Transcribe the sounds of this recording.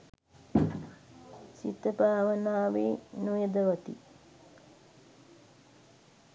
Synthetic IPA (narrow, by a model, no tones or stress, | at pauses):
sḭt̪əbaːʋənaːʋeːnujəd̪əʋɐt̪ḭ